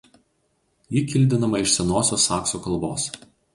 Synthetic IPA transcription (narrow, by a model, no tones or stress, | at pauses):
jiːkʲɪlʲd̪ʲɪnɐmɐɪʃsʲɛnoːsʲoːsɑːksokɐlˠboːs